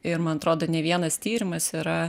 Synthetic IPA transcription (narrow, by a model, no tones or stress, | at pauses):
ɪɾmɐnɐt̪ɾoːd̪oːnʲɛʋʲiɛnɐst̪ʲiːɾʲɪmɐsiːɾɐ